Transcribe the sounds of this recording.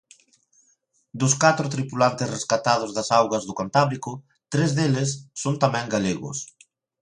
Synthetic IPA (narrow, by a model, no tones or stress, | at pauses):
d̪ʊskat̪ɾʊt̪ɾipulant̪ɪsreskat̪að̞ʊzðɐsawɣɐzðʊkant̪aβɾikʊ | t̪ɾezðelɪsːont̪amɛ̃ŋɡaleɣʊ̰s